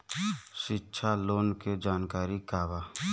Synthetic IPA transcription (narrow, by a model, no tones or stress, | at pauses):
ʃɪtːʃʰaloːnked͡ʒaːnkaːɾikaːbaː